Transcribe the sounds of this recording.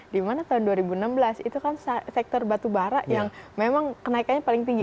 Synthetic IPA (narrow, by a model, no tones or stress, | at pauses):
dimanat̪aɦʊnduaɾibunambəlasit̪ukanssɛk̚t̪ɔrbat̪ubaɾaʔjaŋmemaŋkənaikanɲapalɪŋt̪iŋɡ